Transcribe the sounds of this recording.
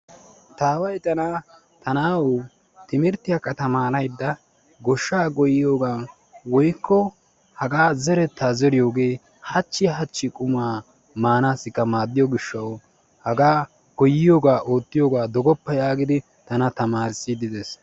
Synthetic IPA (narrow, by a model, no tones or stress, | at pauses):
t̪aːwɐjt̪ɐnaː | t̪ɐnaːwʊ | t̪ɪmɪɾt̪ːɪjakːɐt̪ɐmaːnɐjd̪ːɐ | ɡɔʃːaːɡɔjɪjoːɡaː | wɔjkːɔ | hɐɡaːzɛɾɛt̪ːaːzɛɾɪjo̞ːɡe̞ː | hɐt͡ʃːɪɦɐt͡ʃːɪkʼʊmaː | maːnaːsːɪkːɐmaːd̪ːɪjɔɡɪʃːɐw | hɐɡaː | ɡɔjːɪjoːɡaːʔo̞ːt̪ːɪjoːɡaːd̪ɔɡɔpːɐjaːɡɪd̪ɪ | t̪ɐnɐt̪ɐmaːɾɪsɪd̪ɪd̪ɛs